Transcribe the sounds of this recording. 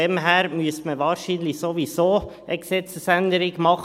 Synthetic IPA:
ɛmɦæːɾmyəstməʋɑːɾʃiːnlɪsoʋisoː | əɡsɛt͡səsænd̪əɾɪɡmɑχ

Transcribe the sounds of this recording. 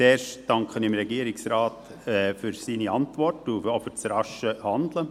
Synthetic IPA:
t͡seːɾʃd̥ɑŋkχənɪmɾɛɡiːɾɪksɾaːt | ɛfyɾsiːniɑntvɔrtʊofyt͡sɾɑʃəhɑndlə

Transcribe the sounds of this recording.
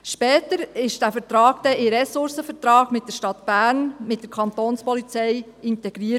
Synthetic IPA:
ʃpɛːtəɾɪʃd̥æfəɾtɾɑːɡ̥d̥̪ɛʔɪɾɛsʊɾsəfəɾt̪ɾɑːɡmɪt̚d̥əɾʃtɑt̪b̥æːɾnmɪt̚d̥əɾkʰɑnt̪oːnspɔlit͡sɛj | ɪntɛɡ̥ɾiːət

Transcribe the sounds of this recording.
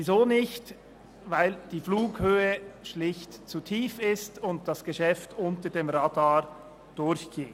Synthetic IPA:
izoːnɪçt | vaɪld̥iːfluːkhøːəʃlɪçtt͡sutʰiːfɪstʊnt̚d̥ɑsɡ̥əʃɛftʊntədeːmɾadaː | d̥ʊɾçɡ̥eː

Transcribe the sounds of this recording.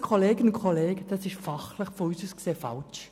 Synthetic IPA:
kʰoleːɡənʊnkʰoleːɡ̥əd̥ɑsɪʃfɑχləχfɔyːsəskseːfɑ̰lt͡ʃ

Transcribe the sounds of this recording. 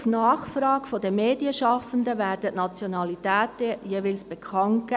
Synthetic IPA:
snɑːχfɾɑːɡ̥fod̪əmeːdiəʃɑfənd̪əʋæːɾd̥ətnɑt͡sjonɑlit̪æːt̪əjeːʋɪlsb̥ɛkʰɑŋt̚ɡɛ

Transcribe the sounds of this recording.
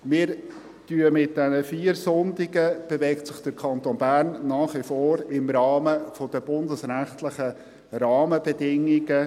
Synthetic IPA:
mɪːɾ | tyəmɪt̚d̥ɛnəfiːəɾsʊndiɡəb̥evɛktsɪχd̥əɾkʰɑnt̪oːnbærnːɑːχʋɪfoːɾɪmɾɑːməfɔdəb̥ʊndəsɾæχt̪lɪχə | ɾɑːməbɛdɪŋːiɡə

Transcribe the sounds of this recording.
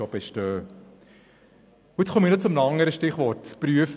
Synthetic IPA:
ɔbɛʃtøː | ɪt͡sχʰɔminɔt͡sʊmnɑŋːəɾəʃtɪχʋɔrtpɾyəf

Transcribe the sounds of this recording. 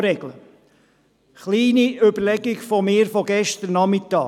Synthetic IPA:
ɾɛɡlə | χliːniøbəɾlɛɡɪɡfɔmɪːɾfɔɡɛʃtəɾnɑmɪtɑː

